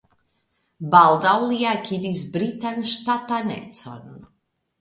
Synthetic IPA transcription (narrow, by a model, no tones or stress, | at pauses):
balˠd̪awlˠijakʰʲid̪isbɾit̪anʲʃt̪atanɛ̰t̪sɔ̰n